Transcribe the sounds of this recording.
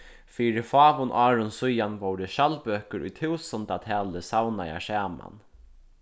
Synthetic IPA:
fiːɾɪfɑːʋʊnʔɑːɾʊnsʊjanʋɔwɾəʃalbøːkəɾʔʊ̰jt̪ʰɪwsɔnt̪at̪ʰɛːləsawnaja̰sæːma̰n

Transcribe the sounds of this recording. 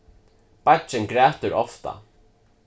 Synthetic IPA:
patt͡ʃɪnkɾæːt̪ʏɾɔft̪a̰

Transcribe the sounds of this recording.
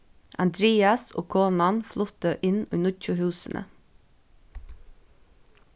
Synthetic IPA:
ʔɑnd̪ɾeːɑso̰ːkʰoːnɑnflʊt̪əʔɪnʉːnʊc͡çʊhʉːsənʔə̰

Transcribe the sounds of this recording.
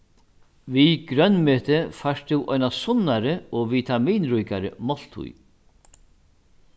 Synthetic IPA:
viɡɾœnːmeːt̪ɪfaʂt̪ɪwʔɔjnasʊnːaɾɪɔviːt̪ʰamiːnɾujkaɾɪmɔl̥t̪ʰʊ̰j

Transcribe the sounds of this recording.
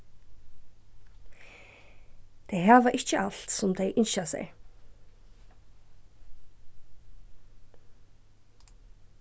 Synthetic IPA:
t̪ʰejɦaːvaʔɪht͡ɕəʔaɬt̪sʊmd̪ejʔɪnʃasɛ̰j

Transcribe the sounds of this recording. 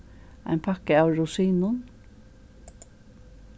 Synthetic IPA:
æ̰ɪnpʰɑkəɑʊɾʊsiːnʊn

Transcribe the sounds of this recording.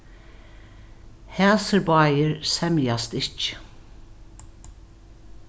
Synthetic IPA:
hæːsəɾbɑːjɪɹsɛmjast̪ɪht͡ʃ

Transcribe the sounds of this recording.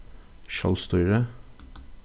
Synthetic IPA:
ʃɑ̰lst̪ɔʏɹə

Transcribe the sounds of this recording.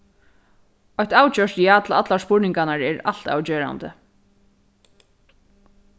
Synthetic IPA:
ɔjht̪aːwt͡ɕœʂt̪jaːt̪ʰla̰t̪laspʊɹnɪŋkanaɹɛɹa̰l̥t̪a̰ːwt͡ɕeːɾa̰nt̪ə̰

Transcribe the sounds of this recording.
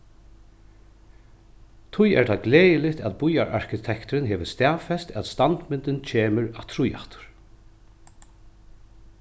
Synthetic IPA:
t̪ʰʊjɛ̰ɹt̪ʰaːɡleːjɪlɪht̪æðbʊjaɹʔa̰ɹkʰɪt̪ʰɛkt̪ɾɪnɦɛːʋəst̪æːʋfɛst̪æ̰ðst̪ant̪mɪnt̪ɪnt͡ʃʰeːmʏɾat̪ʰɾʊja̰ht̪ʰʊ̥ɾ̥

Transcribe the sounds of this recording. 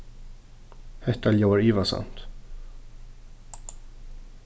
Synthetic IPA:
hɛt̪aljoaɾiːvasa̰nt̪

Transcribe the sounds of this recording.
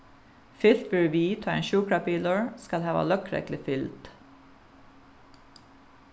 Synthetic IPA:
fɪlt̪bøɹʋiːt̪ʰɑːḛːnʃʉːkɹɑpiːləɹskɑlhɑːʋɑ̰lœkʰɾɛ̰klɪfɪlt̪

